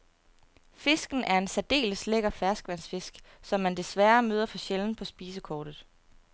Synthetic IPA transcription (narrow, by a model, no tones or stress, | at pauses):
fe̝sɡ̥n̩ʔæɐe̝nsæd̥e̝̰ːləsleɡ̥ɐfæɐsɡ̥ʋæn̰sfe̝sɡ̥sɒ̽mːænd̥e̝sʋæːɐmøːð̞ˠɐfɒ̽ɕeln̩pʰɒ̽sb̥iːsəkʰɒːd̥ð̩ˠ